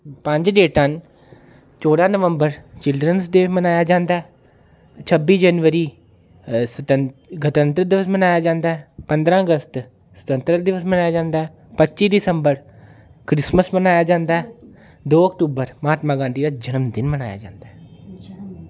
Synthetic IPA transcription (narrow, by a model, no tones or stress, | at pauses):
pə̃ɲd͡ʒɖeːʈən | t͡ʃoːɽaːnəʋəmbəɾt͡ʃɪlɖɾənsd̪emənaːjaːd͡ʒãːnd̪aːɛ | t͡ʃʰəbiːd͡ʒɛːnʋəɾiː | səəɡət̪ənt̪ɾəd̪ɪʋəsmənaːjaːd͡ʒãːnd̪aːɦɛːpə̃nd̪ɾãːəɡəst̪ | sə̥t̪ə̃nt̪ɾəd̪ɪʋəsmənaːjaːd͡ʒãːnd̪aːɛː | pətːt͡ʃiːd̪ɪsə̃mbəɾ | kɾɪsməsmənaːjaːd͡ʒãːnd̪aːɛ | d̪oːəkʈuːbəɾməaːt̪maːɡãːnd̪iːɾaːd͡ʒənəmd̪ɪnməna̰ːja̰ːd͡ʒã̰ːnd̪aːɦɛ